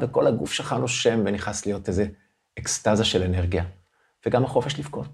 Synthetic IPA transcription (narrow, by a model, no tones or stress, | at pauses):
veko̞laɡufʃelχanuʃe̞mveniχaslijo̞tejzeː | kstazaʃe̞leneʁɡija | v̥eɡamaχo̞feʃlifko̞t